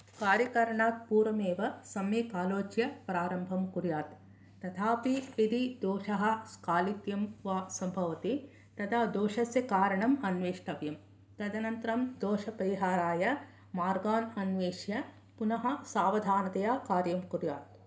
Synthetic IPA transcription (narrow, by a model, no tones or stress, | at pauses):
kaːɾjɐkɐɾɐɳaːt̪̚puːɾɐmeːʋɐsɐmikaːloːt͡ʃjɐpɾaːɾɐmbʱɐmkuɾjaːt̪ː | ɐt̪ʰaːpiid̪id̪oːʂɐɦɐskaːlit̪jɐmʋaːsɐmbʱɐʋɐt̪i | t̪ɐt̪ʰaːd̪oːʂɐsjɐkaːɾɐɳɐmɐnʋeːʂʈɐʋjɐm | t̪ɐd̪ɐnɐnt̪ɾɐmd̪oːʃɐpɐɾiɦaːɾaːjɐ | maːɾɡaːnɐnʋeːʃjɐ | punɐɦɐ̆saːʋɐd̪ʱaːnɐt̪ɐjaːkaːɾjɐmkuɾjaːt̪